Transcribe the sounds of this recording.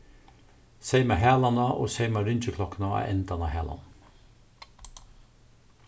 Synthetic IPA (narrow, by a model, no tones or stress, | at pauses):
seɪmɑɦæːlanɑʔo̰ːseɪmaɾʏnt͡ʃəkʰlɔknaɑ̰ɛnt̪anɑhæːla̰n